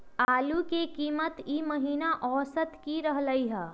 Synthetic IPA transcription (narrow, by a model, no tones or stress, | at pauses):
aːlukekiːmət̪iməɦiːnaʔɔːsət̪kiɾɐɦləiɦɛː